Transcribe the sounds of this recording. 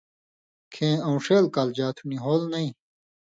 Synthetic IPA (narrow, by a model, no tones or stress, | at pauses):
kʰẽːɐ̃ũʂeːlkald͡ʑaːt̪ʰuniɦoːlnɐĩ